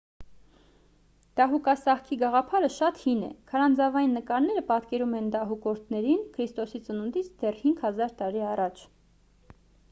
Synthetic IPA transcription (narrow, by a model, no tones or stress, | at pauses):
d̪̥ɑɦukɑsɑχkʰiɡɑʁɑpʰɑɾəʃɑt̪hinɛ̰kʰɑɾɑnd͡zɑvɑjinːəkɑɾnɛɾəpɑt̪kɛɾumɛnd̪ɑɦukɔɾt̪ʰnɛɾinkʰɾist̪ɔsit͡sənunt̪it͡sʰd̪ɛrhiŋɡhɑzɑɾt̪ɑɾiɑrɑt͡ʃʰ